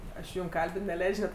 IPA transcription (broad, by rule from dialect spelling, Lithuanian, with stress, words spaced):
ˈɐʃ jʊm ˈkɐlʲbʲɪn nʲɛˈlʲɛɪt͡ʃʲ nʲɛt